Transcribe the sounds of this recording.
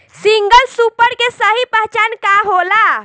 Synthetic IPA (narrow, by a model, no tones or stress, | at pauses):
siŋɡəlsupəɽkesəɦipəɦt͡ʃankaɦola